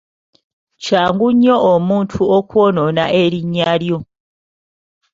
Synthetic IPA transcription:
caːŋɡuɲːo̞omuːntʰuokwono̞naʔe̞ɾiɲːaːljo̞

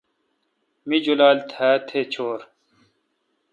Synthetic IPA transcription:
mid͡ʑulaːlt̪ʰaːt̪ʰet͡ɕʰoːɾ

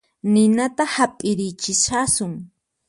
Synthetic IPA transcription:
nɪnat̪ahapʼɪɾɪjt͡ʃɪʃasʊŋ

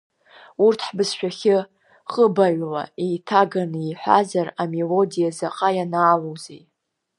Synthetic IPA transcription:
urtʰħbɨsʃᶣaχʲɪ | χʼəbaɥʷla̰ejtʰaɡanɨijħʷa̰zarame̞lo̞dijazaqʼajanaːlowzḛj

